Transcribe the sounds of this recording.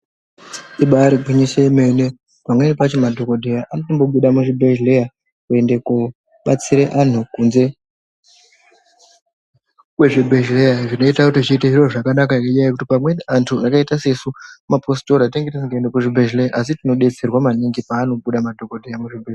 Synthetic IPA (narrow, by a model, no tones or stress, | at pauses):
iɓaːɾiɡʱwiɲiʃeme̞ne | pamwenepat͡ʃemadʱo̞kodʱejaʔanotombo̞ɓuɗamuʐibʱe̞ʒleja | kue̞ndeko | ɓat͡siɾeʔan̤ukunze̞ | kwe̞ʐibʱe̞ʒlejaʐino̞itakutiʐiːteʐiro̞ʐakanakakeɲajkutipamwe̞antʰuakaitase̞sumaposto̞ɾateŋɡetasiŋɡaendekuʐibʱe̞ʒlejaʔas̬itino̞ɗe̞t͡se̞rwamaniŋɡipaːno̞ɓuɗamadʱo̞kodʱejamuʐibʱe